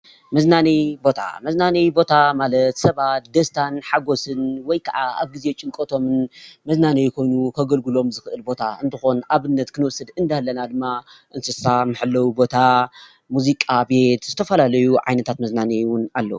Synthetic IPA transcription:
mɐznanibo̞t̪ʰa̰mɐznanijbo̞t̪ʰamalɐt̪sɐβat̪̚d̪ɐst̪ʰanħaɡo̞sɨnwɔjkʰaʕaa̰βɡize̞t͡ʃʼɨŋkʼot̪ʰo̞mɨnmɐznanejkʰo̞jnukʰɐɡɐlɡulo̞mzɨxɨʔɨlbo̞t̪ʰaʔɨnt̪ʰɨxo̞naβɨnːɐt̪kʰɨnɨwɔsːɨd̪ɨnd̪ahlːɐnad̪ɨmːaʔɨnsɨsamɨħɨlːɐwbo̞t̪ʰa | muzikʼabe̞t̪zɨt̪ʰɐfɐlalɐjuʕa̰jnɐt̪ʰat̪mɐznanewʊnalːɐ̰wu

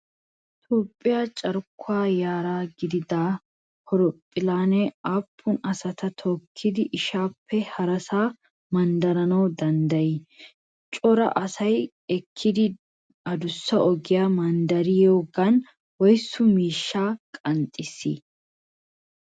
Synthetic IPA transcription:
ɪt̪oːpʼːɪjaːt͡ʃʼɐɾkʰːʊaːjaːɾaːɡɪd̪ɪd̪aː | hɔɾɔpʼːɪlaːnɛaːpʰːʊnɐsɐt̪ɐt̪ʰɔkʰːɪd̪ɪʔɪʃaːpʰːɛhɐɾɐsaː | mɐnd̪ɐɾɐnɐwd̪ɐnd̪ɐjɪ | t͡ʃʼɔɾɐ̰ʔɐsɐj | ɛkʰːɪd̪ɪ | ɐd̪ʊsːɐʔɔɡɪjaːmɐnd̪ɐɾɪjoːɡɐn | wɔjsːʊmiːʃːaːkʼɐnt̪ʼːɪsːḭː

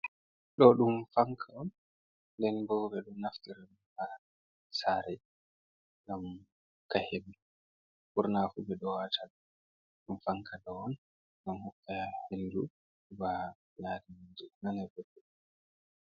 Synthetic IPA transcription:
ɗɔɗumfaŋkʰaɔn | dɛnɡɔbɛɗumnaftiɾn | ha | saːɾɛ | ŋɡam | kahebi | fuɾnafubɛɗɔwata | ɗumfaŋkʰadɔɔn | ɡamhɔkːahendu | uba | ɲaːdimad͡ʒɛnanabɛdːɛɗ

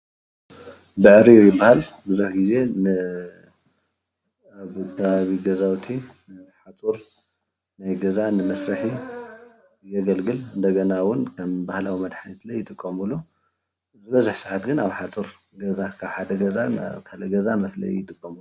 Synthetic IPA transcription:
bɨʕɾijujɪbːahalbɨzuħɡize̞nɨ | aβkʰɐβaβiɡɐzawt̪ʰi | nħat͡s̪ʼuɾ | najɡɐzanɨmɐsɾɐħi | jɐɡɐlɡɨlɨnd̪ɐɡɐnawʊnkʰɐmbahlawimɐd̪ħanit̪lɐjːɪt̪ʼɨkʼːɐmɨlo | zɨbɐzuħsɨʕat̪ɡɨnaβħat͡s̪ʼuɾ | ɡɐzakʰaβħad̪ɐɡɐzakʰalɐɡɐzamɐflɐ̰jujɪt̪ʼɨkʼːɐm

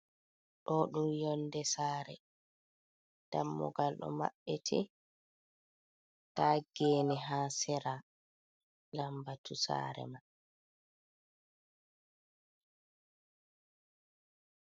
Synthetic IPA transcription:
ɗɔɗumjɔndɛsaːɾɛ | d̥amːɔ̰ɡalɗɔ̰ma̰ɓːɛtʰɛ | taːɡɛːnɛɦaːsɛɾa | lambatʰusa̰ːɾɛ̰ma

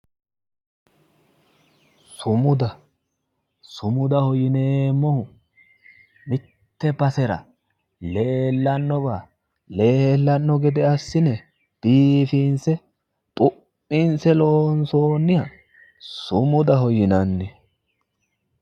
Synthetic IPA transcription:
sʊmʊd̪ɐ | sʊmʊd̪ɐhɔjɪneːmːɔhʊ | mɪt̪ːɛbɐsɛɾɐ̰ | le̞ːlːɐnːɔbaː | le̞ːhɛlːɐnːɔɡɛd̪ɛɐsːɪnɛ | b̥iːfinsɛ | t̪ʼʊpːinsɛloːnso̞ːnːɪjɐ | sʊmʊd̪ɐhɔjɪnɐnːɛ

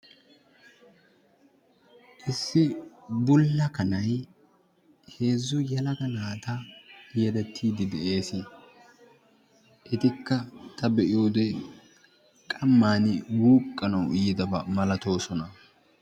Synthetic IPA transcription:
ʔɪsːɪbʊlːɐkɐnɐj | he̞ːzːʊjɐlɐɡɐnaːt̪ɐɛd̪ɛt̪ːiːd̪ɪd̪ɛʔe̞ːsɪ | ʔɪt̪ɪkːɐt̪ʰɐbɛʔɪjo̞ːd̪ɛ | kʼɐmːaːnɪwuːkʼːɐnɐwɪjɪd̪ɐbɐmɐlɐt̪o̞ːsɔnɐ

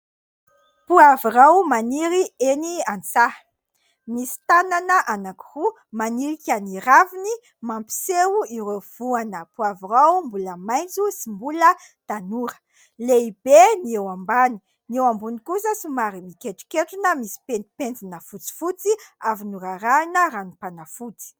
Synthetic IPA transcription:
puavirawmaniɾieniant͡sa | misi̥t̪ananəʔanaki̥ru | maniɾikʲaniravini | mampi̥sewuiɾev̥uanəpuaviɾawmbuləmajnd͡zusimbulə | t̪anuɾə̥ | leibeniewambani̥ | niewambunikusəsumaɾimikeʈ͡ʂi̥keʈ͡ʂunəmisi̥penpend͡zinəfut͡si̥fut͡siavinuɾaɾainəɾanipanafut͡si̥

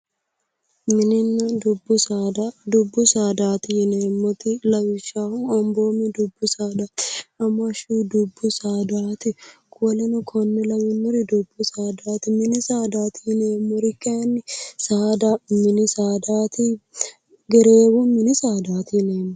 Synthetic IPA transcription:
mɪnɪnːɐd̪ʊbːʊsaːd̪ad̪ʊbːʊsaːd̪aːt̪ɪhɪneːmːɔt̪ɪlɐwɪʃaːhʊɐmboːmɛd̪ʊbːʊsaːd̪aːt̪ɐmɐʃud̪ʊbːʊsaːd̪aːt̪ɪkːlɛnɐkʰɔnːɛlɐwɪnːɔɾɪd̪ʊbːʊsaːd̪aːt̪ɪmɪnɪsaːd̪aːt̪ɪhɪneːmːɔɾɪkʼːɛɐnːɪsaːd̪amɪnɪsaːd̪aːt̪ɪ | ɡɛɾeːwɔmɪnɪsaːd̪aːt̪ɪneːmːɔ

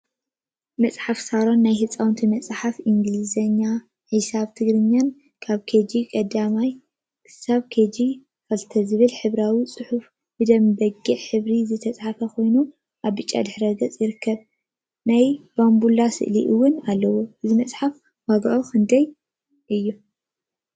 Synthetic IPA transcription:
mɐt͡sʼħafsaɾo̞nːajhɨt͡sʼawnt̪ʰimɐt͡sʼħafiŋɡlizɐɲːa | ħisaβt̪ʰɨɡɾɨɲːan | kʰaβkʰed͡ʒikʼɐd̪amaj | kʰɨ̥saβkʰed͡ʒi | fɐlt̪ʰɐzɨβɨlħɨβɾawit͡sʼɨħuf | bɨd̪ɐmbɐɡiʔħɨβɾizɨt̪ʰɐt͡sʼħafɐkʰo̞jnu | ʔaβːɨt͡ʃʼːa̰d̪ɨħɾɐɡɐt͡sʼjɪɾɨkʰːɐβ | najb̥ambulasɨ̰ʔliʔɨwːʊnalːɐwoɨzimɐt͡sʼħaf | waɡʔoxɨnd̪ɐj | ʔɨjːu

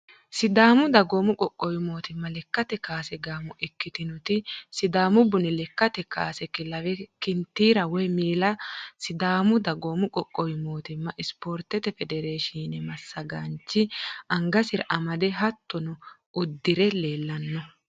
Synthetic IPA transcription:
sɪd̪aːmʊd̪ɐɡoːmʊkʼɔkʼːɔjɪmoːt̪ɪmːɐlɛkːɐt̪ɛkaːsɛɡaːmʊʔɛkːɪt̪ɪnɔt̪ɪsɪd̪aːmʊbʊnɪlɛkːɐt̪ɛka̰ːsɛkːɪlɐwɛkɪnt̪ːiːɾɐwɔjmiːlɐsɪd̪aːmʊd̪ɐɡoːmʊkʼɔkʼːɔjɪmo̞ːt̪ɪmːɐʔɪspoːɾt̪ɛt̪ɛfɛd̪ɛɾeːʃiːnɛmɐsːɐɡɐnt͡ʃːɪɐŋɡɐsɪɾʔɐmɐd̪ɛɦɐt̪ːɔnɔ | ʔʊd̪ːɪɾɛle̞ːlːɐnːɔ

